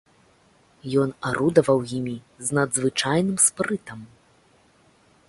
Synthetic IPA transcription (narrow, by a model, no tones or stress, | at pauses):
jɔnaɾud̪ɐvɐwjimʲi | znɐd̪zvɨt͡ʂajnɨmspɾɨt̪ɐm